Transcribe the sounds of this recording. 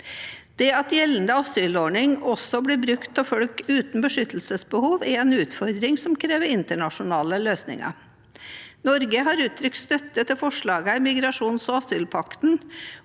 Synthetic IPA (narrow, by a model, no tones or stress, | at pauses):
d̪̥ɛɑt̪jɛlːənd̪əɑsyːloɳɪŋɔsɔbliːbɾʉkt̪̚pʰɔfɔlkʉːt̪n̩bəʂʏt̪l̩səsbəhuːʋɛɛnʉːt̪fɔɾd̪ɾɪŋsɔmkʰɾeːʋəɾɪnt̪əɳɑʂʊnɑːləløːsnɪ̰ŋɑ̰ | nɔɾɡəɦɑɾʉːt̪ʰːɾʏk̚t̪st̪œt̪ːət̪ʰɪfɔʂɭɑːɡəæmɪɡɾɑʂuːnsɔɑsyːlpʰɑkt̪n̩